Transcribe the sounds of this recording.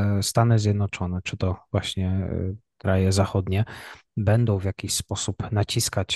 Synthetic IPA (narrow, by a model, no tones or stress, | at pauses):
st̪anɘzʲjɛd̪nɔt͡ʂɔnɛt͡ʂɘt̪ɔvwaɕɲɛkɾajɛzaxɔd̪ɲɛbɛnd̪ɔ̃w̃vʲjakʲiɕspɔsupnat͡ɕiskat͡ɕ